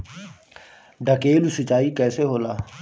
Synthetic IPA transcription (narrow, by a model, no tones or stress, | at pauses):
ɖəkeːlusɪt͡ʃaːikɛːseɦoːlaː